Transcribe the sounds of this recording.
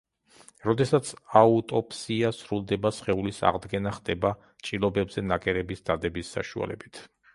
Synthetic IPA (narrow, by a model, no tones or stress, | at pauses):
ɾɔd̪ɛsat̪sʰaut̪ʼɔpʰʼsiasɾulˠd̪ɛbasχɛulisa̰ʁd̪ɡɛnaχd̪ɛba | t͡ʃʼilˠɔbɛbzɛnakʼɛɾɛbisd̪̥ad̪ɛbisːa̰ʃua̰lɛ̰bit̪ʰ